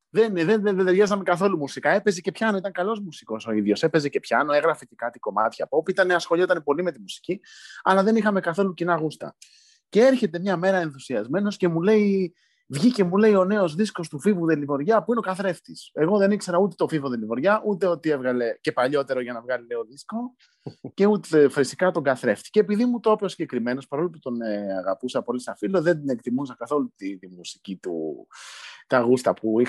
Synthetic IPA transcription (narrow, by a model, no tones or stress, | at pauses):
ðenðeneðeðɾʝɐzɐme̞kɐθo̞lumusikɐe̞pe̞ze̞ce̞pçɐno̞it̪ɐŋkɐlo̞zmusiko̞so̞iðʝo̞se̞pe̞ze̞ce̞pçɐno̞e̞ɣɾɐfecekɐt̪iko̞mɐ̰t̪çɐːpo̞piit̪ɐneɐsxo̞lʎiot̪ɐnepo̞lime̞t̪imusi̥ciɐ̰lɐðe̞nixɐme̞kɐθo̞lucinɐɣust̪ɐ̰ | ce̞e̞ɾçe̞t̪e̞mɲɐme̞ɾɐe̞nθusiɐzme̞no̞sce̞mule̞i | vʝice̞mule̞io̞ne̞o̞zðisko̞st̪ufivuðe̞livo̞ɾʝɐpuineo̞kɐθɾe̞ft̪ise̞ɣo̞ðe̞nikse̞ɾɐut̪e̥t̪o̞fivoðelivo̞ɾʝɐʔut̪e̞o̞t̪ie̞vɣɐle̞ce̞pɐʎo̞t̪e̞ɾo̞ʝɐnɐvɣɐlileoðisko̞ | ce̞ut̪efɾisi̥kɐt̪o̞ŋɡɐθɾe̞ft̪i̥ceːpiðimut̪oposiɲɟe̞kɾime̞no̞spɐɾo̞loput̪o̞nɐɣɐpusɐpo̞lisɐfilo̞ðe̞nd̪inek̚t̪imusɐkɐθo̞lut̪iðimusicit̪ṵ | t̪ɐɣust̪ɐpui